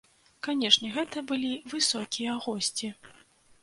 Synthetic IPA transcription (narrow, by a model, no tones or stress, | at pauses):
kanʲɛʂnʲɛɣɛt̪ɐbɨlʲivɨsɔkʲijɐɣɔsʲt͡sʲi